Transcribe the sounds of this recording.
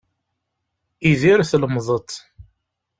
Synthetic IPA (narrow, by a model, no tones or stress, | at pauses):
iðiɾθləmðˤət̪ˤ